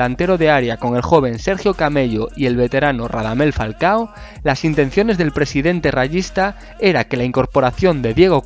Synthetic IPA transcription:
ant̪e̞ɾoðeaɾjako̞ŋe̞lxo̞β̞e̞nse̞ɾxjokame̞ʎoie̞lβe̞t̪e̞ɾanoraðame̞lfalkao | lasint̪en̟θjo̞ne̞zðe̞lpɾesiðe̞nt̪e̞raʝist̪a | e̞ɾake̞laiŋko̞ɾpo̞ɾaθjo̞nd̪e̞ðje̞ɣ̞o

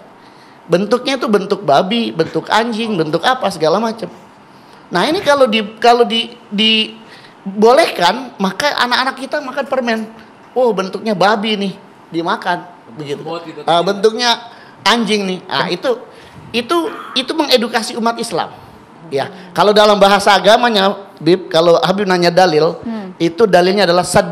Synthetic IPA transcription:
bənt̪ʊk̚ɲat̪ubənt̪ʊk̚babibənt̪ʊka̰ɲd͡ʒɪŋbənt̪ʊkapasəɡalamat͡ʃam | nahinikalodikalodidi | bolehkanmakaʔa̰nakanak̚ːit̪amakanpərmɛn | wahbənt̪ʊk̚ɲababinɪh | dimakan | bəɡit̪uəbənt̪ʊk̚ɲa | aɲd͡ʒɪŋnɪhʔa̰it̪u | it̪uit̪uməŋedukasiumat̪isla̰m | jakalodalambaɦasaːɡamaɲabɪp̚kaloɦabɪp̚naɲadalɪlit̪udalɪlɲadalahsət̚

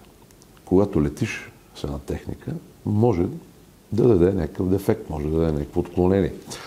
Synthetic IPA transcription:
koɡat̪olɛt̪iʃ | sɛnɐt̪ɛxnḭkʰə | mɔʒɛ | d̪ɐd̪ɐd̪ɛnʲakəkəvd̪ɛfɛk̚t̪mɔʒɛd̪ɐd̪d̪ɛnʲakə̥kfoːt̪klˠonɛniɛ

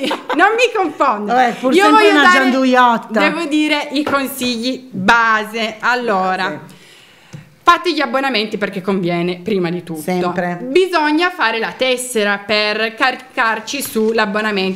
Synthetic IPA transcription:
nomːikoɱfɔnd̪ɛpuɾiovɔjːnaad͡ʒand̪ujɔt̪ːdːaɛːvod̪iːɾeʔikonsiʎːibaːzealːɔːɾa | fat̪ːeʎiabːonament̪iperk̟ekːoɱvjɛːnepɾiːmad̪it̪utɛːopebizɔɲːafaːɾelat̪ɛsːeɾaperkarkart͡ʃisulabːonamen

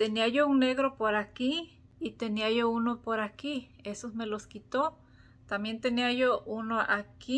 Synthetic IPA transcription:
t̪eniajouŋneɣɾopoɾaki | it̪eniajounopoɾakiesosmeloskit̪o | t̪amjent̪eniajoʔunoʔaki

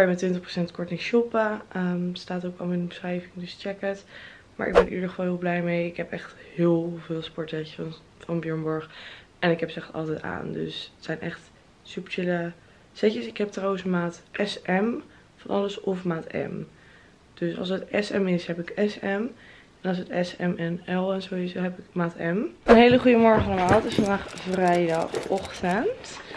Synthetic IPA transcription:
ɛjmɛtʋɪntəχpro̥sɛntkɔɹtɪŋʃɔpəəmstaːtowkɑmˠɪnənbəsrɛjvɪŋdɵst͡ʃɛkət | ma̰ːɹʔɪɡ̚bɛnʔḭədəχəvɑlˠɦɪːlˠblɛjmejɪkɦɛpɛχthɪːlˠvɪːlˠspɔɹtɛc | fɑnbjøɹmbɔɹχ | ʔɛnɪkɦɛpsɛχtɑ̰lˠtɛjta̰ːndø̰sətsɛjnʔɛχt | sypə̥ɹt͡ʃɪlə | sɛcəsɪkɦɛp̚trawənsmaːtʔɛsɛm | fɑnʔɑ̰ləsɔfmaːtɛ̰m | d̥øsɑ̰lˠsətɛsɛmɪsɦɛpɪkɛsɛm | ɛnɑlˠs̬ətɛsɛmɛnɛlˠɛnzowɪsoɦɛpɪkmaːtɛmənɦejləχujəmɔɹχəɑləmaːlˠdɑtɪsfɑndaːχvrɛjdɑχɔχtənt

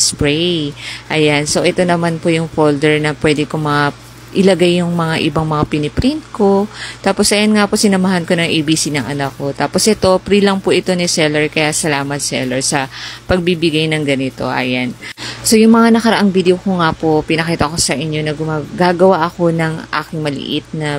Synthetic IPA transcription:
spɹɛjʔɐjanso̞ʔɛt̪o̞nɐmanpojʊŋfold̪ɛɹnɐpwɛd̪ɪkoŋmɐŋa | ʔɪlɐɡajːʊŋmɐŋaʔɪbaŋmɐŋapɪnɪpɾɪnt̪̚ko̞t̪aːpo̞sʔɐjanŋaposɪnɐmɐɦanko̞nɐŋʔeːbiːsinɐŋʔɐnɐk̚ːo̞t̪aːpo̞sʔɛt̪o̞pɾilɐŋpoʔɪt̪o̞nɪsɛlɛɹkɐjasɐlaːmɐt̪̚sɛ̰lɛɹsɐpɐɡ̚bibɪɡajnɐŋɡɐnɪt̪o̞̰ʔɐ̰janso̞jʊŋmɐŋanɐkɐɾɐʔaŋvid̪eokoŋapo̞pɪnɐkiːt̪ɐko̞sɐʔɪɲːo̞nɐɡʊmaɡaːɡɐwaʔɐko̞nɐŋʔa̰ːkɪŋmɐlɪ̰ʔɪt̪̚nɐ

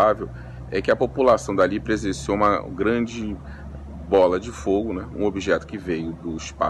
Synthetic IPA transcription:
avew | ɛkɪɐpopulasɐ̃w̃d̪alipɾezẽsoũmɐɡɾɐ̃d͡ʒɪ | bɔlɐd͡ʒɪfoɡʊnɛũobiʒɛt̪ʊ̥kɪvejʊd̪ʊiʃpa̰

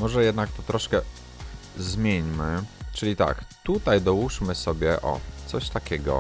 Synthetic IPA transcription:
mɔʐɛjɛd̪nak̚t̪ɔt̪ɾɔʂkɛ | zmʲjeɲmɘt͡ʂɘlʲit̪a̰kt̪ut̪ajd̪ɔwuʂmɘsɔbʲjɛʔɔ̰t̪sɔɕt̪akʲɛɡɔ̰

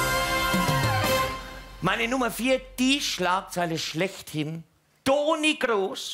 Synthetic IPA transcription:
maɪnənʊmɐfiːɐd̥iːʃlaːk̚t͡saɪləʃlɛçthɪn | d̥oːniɡʁoːs

